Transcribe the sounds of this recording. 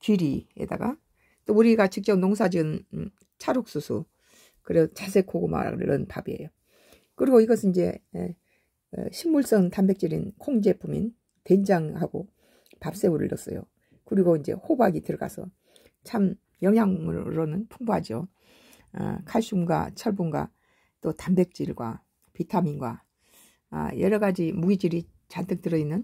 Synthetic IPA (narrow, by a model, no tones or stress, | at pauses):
kiɾiḛd̥a̰ɡa̰ | t͈ouɾiɡat͡ɕɯk̚t͡ɕ͈ʌp̚noŋs̬ʰad͡ʑɯn | t͡ɕʰaɾok̚s͈usʰu | kɯɾet͡ɕas̬ʰe̞kʰoɡoma̰ɾa̰ɾʌ̰npa̰bie̞̰jo | kɯɾiɡoiɡʌsʰɯnind͡ʑe̞ | ɕʰimːuɭs͈ʌntambe̞k̚t͡ɕ͈iɾḭnkʰoŋd͡ʑe̞pʰumḭn | te̞nd͡ʑaŋhaɡo | pap̚s͈e̞uɾɯ̰ɭjʌs͈ʌ̰jo̰ | kɯɾiɡoind͡ʑe̞̰hobaɡitɯɾʌɡa̰sʰʌ̰ | t͡ɕʰam | jʌŋjaŋɯ̰ɾonɯnpʰuŋbuɦad͡ʑio̰ | kʰaɭɕ͈umɡwa̰t͡ɕʰʌɭbunɡwa̰ | t͈otambe̞k̚t͡ɕ͈iɭɡwa̰ | pitʰaminɡwa̰ | jʌɾʌɡad͡ʑimuɡid͡ʑiɾi | t͡ɕantʰɯk̚t͈ɯɾʌinːɯn